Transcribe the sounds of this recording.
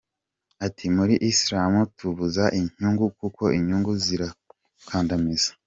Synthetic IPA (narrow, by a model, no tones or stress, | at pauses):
atʰimuɾiʔisɾaːmutuβuzaʔiɲ̥uŋɡukuko̞iɲuːŋɡuziɾa | kʰaːndamizḁ